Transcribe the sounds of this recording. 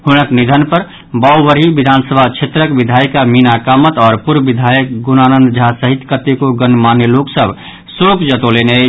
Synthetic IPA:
hunəknid̪ʱənpəɾ | bɔwbəɾibid̪ʱansəbʱat͡ʃʰet̪ɾəkbid̪ʱajkaminakamət̪ɔːɾpuɾbid̪ʱajək̚ɡunanənd̪d͡ʒʱasəɦit̪kət̪ːekoɡənmanːeloksəbʱ | sokd͡ʒət̪olene

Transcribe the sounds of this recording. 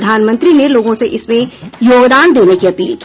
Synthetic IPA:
d̪ʱaːnmə̃nt̪ɾineloːɡõseʔɪsmẽjoːɡd̪aːnd̪eːnekiɐpḭːlki̥

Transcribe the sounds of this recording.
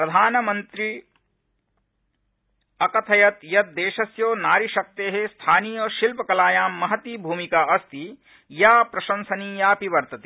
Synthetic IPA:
pɾɐd̪ʱaːnɐmɐnt̪ɾi | ɐkɐt̪ʰɐjɐt̪jɐt̪̚d̪eːʃɐsjoːnaːɾiʃɐk̚t̪eːɦest̪ʰaːniːjɐʃilpɐkɐlaːjaːmːɐɦɐt̪iːbʱuːmikaːɐst̪i | jaːpɾɐʃɐnsɐniːjaːpiʋɐɾt̪ɐt̪i

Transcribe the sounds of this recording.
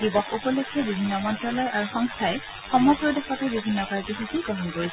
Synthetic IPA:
dibɔxupɔlukʰːɛbibʱinːɔmɔntɹɔlɔjʔaɹuxɔŋstʰaj | xɔmjpɹɔdexɔtabibʱinːɔkaɹɡixakiɡɔɦɔnpoɹis

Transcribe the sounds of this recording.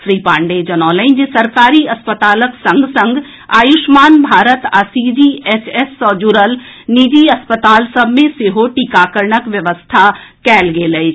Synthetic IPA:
ʃɾiːpãːɳɖed͡ʒɐnɔːlə̃ɪ̃nd͡ʒesɐɾkaːɾiɐspət̪aːləksɐ̃ŋɡsə̃ŋɡ | aːjʊʃmaːnbʱaːɾət̪asiːd͡ʒiesʰesːɔːd͡ʒuɾəlniːd͡ʒ̪iɐspət̪aːlsəbʱmẽseɦoʈiːkaːkəɾɳəkʋjəʋəst̪ʰakɛːlɡeːləi

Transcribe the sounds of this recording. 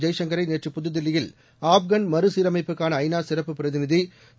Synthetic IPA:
d͡ʒɐɪʂɐŋɡɐɾɐɪneːʈrɯpʊðɯðɪlːɪjɪl | aːbɡɐnmɐɾɯsiːɾɐmɐɪpːɯkːaːnɐːɪnaːsɪɾɐpːɯpɪɾɐðɪnɪði

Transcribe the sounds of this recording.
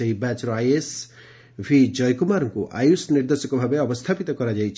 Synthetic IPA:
ɔibat͡ʃɾoajes | bʱid͡ʒɔjkumaɾɔŋkuʔa̰jusniɾd̪esɔkɔbʱabeɔbɔst̪ʰapit̪ɔkɔɾad͡ʒajt͡ʃʰ

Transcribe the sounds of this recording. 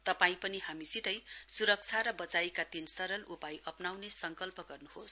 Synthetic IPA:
t̪ʌpaĩpʌniɦamisit̪ʌjsuɾʌk̚t͡sʰaɾʌbʌt͡sajkad̪insʌɾʌlupajʔʌpnawnesʌŋkʌlpʌɡʌrnuhos

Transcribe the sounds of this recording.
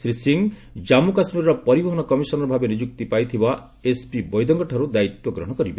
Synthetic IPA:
sɾisiŋ | d͡ʒamukasmiɾɔɾɔpɔɾibɔɦɔnɔkɔmisɔnɔɾɔbʱabenid͡ʒuk̚t̪ipajt̪ʰiba | espibɔjd̪ɔŋɡɔʈʰaɾud̪ait̪wɔɡɾɔɦɔ̃ɔkɔɾibe

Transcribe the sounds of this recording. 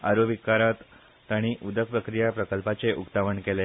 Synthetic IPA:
aɾoʋikːaɾat̪ː | aɽ̃iʔud̪ək̚pɾəkɾijapɾəkəlpat͡seʔukt̪aʋəɳkele

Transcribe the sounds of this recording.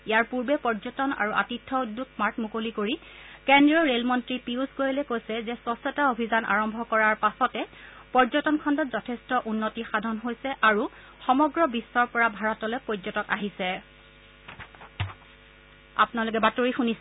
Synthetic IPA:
ijaɹpuɹbɛpɔɹzɔtɔna̰ɹuʔa̰titʰːɔudːuk̚maɹtmukolikoɹi | kɛndɹiɔɹelmɔntɹipiuskojlɛkojsɛzɛswɔsɔtaobʱizanʔa̰ɹɔmbʱɔkɔɹaɹpasɔtɛ | pɔɹzɔtɔnkʰɔndɔtzɔtʰɛstɔʔunːotixadʱɔnɦojsɛʔaɹu | xɔmɔɡɹɔbisːɔɹpɔɹabʱaɹɔtɔlɛpɹozɔtɔkaɦisɛ | a̰pʊnalok̬ɛbatoɹixunis

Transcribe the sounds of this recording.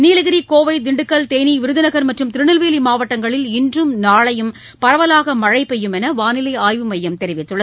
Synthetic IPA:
niːlɐɣɪɾikoːʋɐɪd̪ɪɳɖɯkːɐlt̪eːniʋɪɾɯðɪnɐɣɐɾmɐʈrɯmt̪ɪɾɯɳɪlʋeːlimaːʋɐʈːɐŋɡɐɭɪlɪndrɯmnaːɭɐjɯm | pɐɾɐʋɐlaːɣɐmɐɻɐɪpɛjːɯmɛnɐʋaːnɪlɐɪaːjʋɯmɐjːɐmt̪ɛɾɪʋɪt̪ːɯɭːɐð

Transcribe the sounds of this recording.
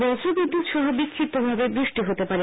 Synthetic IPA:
ɔsʰobid̪ːut̪ʃɔɦobikʰɾit̪ːobʱabebɾiʃʈiɦot̪epaɾe

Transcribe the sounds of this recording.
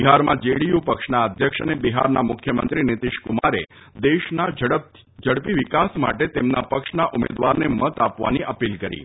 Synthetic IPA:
biɦaɾmãd͡ʒeɽijupəkʃnaəd̪ʱjəkʂənebiɦa̰ɾnamʊkʰjəmə̰nt̪ɾinit̪iʃkumaɾe | d̪eʃna | d͡ʒəɽpiʋikasma̰ʈet̪emnapəkʃnaʔumḛd̪ʋaɾnemət̪apʋa̰niʔəpilkəɾḭ

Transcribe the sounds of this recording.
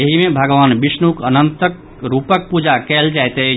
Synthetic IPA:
ɐɦimẽbʱɐɡʋaːnʋɪʃnukənə̃nt̪ək | ɾuːpək̚puːd͡ʒakɛːld͡ʒaːjt̪eɦɛ

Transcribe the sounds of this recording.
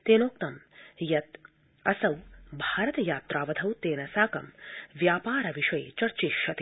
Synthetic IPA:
t̪eːnoːk̚t̪ɐmjɐt̪̚ | ɐsɐwbʱaːɾɐt̪ɐjaːt̪ɾaːʋɐd̪ʰʱɐwt̪eːnɐsaːkɐmʋjaːpaːɾɐʋiʂɐjt͡ʃɐɾt͡ʃiʃɐt̪i

